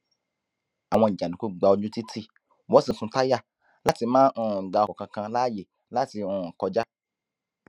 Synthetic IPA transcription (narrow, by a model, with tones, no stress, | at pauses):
a˨w̃ɔ̃˧i˨d͡ʒã˨nĩ˨ku˦ɡ͡ba˧o˧d͡ʒũ˦ti˦tʰi˦ | wɔ˨˦sĩ˨sũ˧ta˦ja˦ | la˦ti˧mãː˦nũ˨ɡ͡ba˨˧kɔ˨kã˧kã˧la˦je˨ | la˦ti˧ũ˨kɔ˧d͡ʒa˦